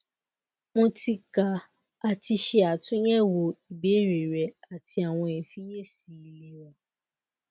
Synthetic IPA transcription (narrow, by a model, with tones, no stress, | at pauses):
mõ˦ti˧ka˨ | a˨ti˧ʃe˦a˨tʊ̃˦ɲɛ˦wo˨i˨be˦ɾe˨ɾɛ˨a˨ti˦a˨w̃ɔ̃˧e˨fi˦je˦si˨˦le˧wɔ̃˨